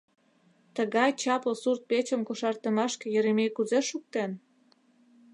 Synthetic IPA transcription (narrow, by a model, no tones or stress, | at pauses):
t̪əɣɑjt͡ɕɑpəsurt̪̚pet͡ɕəmkoʃɑrt̪əmɑʃkĕjø̆ɾemejkuzeʃuk̚t̪en